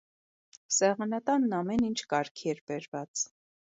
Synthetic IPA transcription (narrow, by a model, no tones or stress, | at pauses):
sɛʁɑnɑt̪ɑnːɑmɛnint͡ʃʰkɑɾkʰiɛɾbɛɾvɑt͡s